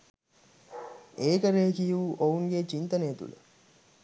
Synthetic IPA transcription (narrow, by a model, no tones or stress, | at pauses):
eːkəɾeːkijuuʔouŋɡet͡ʃint̪ɐnejːt̪ṵlə̰